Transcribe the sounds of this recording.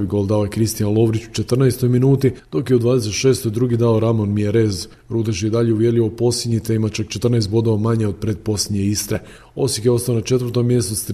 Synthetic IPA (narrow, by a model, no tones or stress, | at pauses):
ʋiɡo̞lˠd̪aoekɾist̪ijanlˠo̞ʋɾit͡ʃu̥t͡ʃet̪rnaest̪o̞jminuːt̪id̪o̞kjeud̪vʋaːd̪es̬e̞t̪ʃe̞ːst̪o̞jd̪ɾuːɡid̪aoɾamonmiaɾez | ɾuːd̪at͡ʃjeid̪aʎeuʋje̞ɾlʲiʋopo̞sʲid̪ɲit̪eimat͡ʃakt͡ʃet̪r̩naest̪̚bo̞d̪oʋamaɲeo̞d̪̚pɾed̪̚po̞slʲed̪ɲeist̪ɾe | o̞sjikjeo̞st̪aonat͡ʃe̞t̪ʋəɾt̪o̞mːje̞st̪ust̪